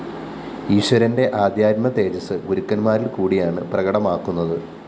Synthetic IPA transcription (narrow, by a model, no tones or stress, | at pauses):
iːʂwɐɾɐnde̞ʔaːd̪jaːdmɐt̪e̞ːd͡ʑɐsɨɡuɾukːɐnmaːɾilkuːɽijaːɳɨ̰prɐɣɐɽɐmaːkːunːɐðɨ